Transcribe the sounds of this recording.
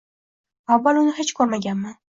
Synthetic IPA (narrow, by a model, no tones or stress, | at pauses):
awːalˠʊnɪhet͡ʃkʰɵɾmaɡʲanmɪ